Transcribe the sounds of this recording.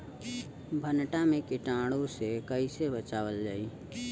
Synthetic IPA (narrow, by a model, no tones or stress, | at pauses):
bʱənʈamẽkiʈãːɽõsekəisebət͡ʃaːwəld͡ʒaːiː